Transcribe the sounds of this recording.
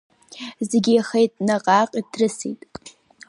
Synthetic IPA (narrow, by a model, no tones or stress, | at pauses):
zeɡʲiaχejtʼnaqʼaqʼidʰrɨsḭtʼ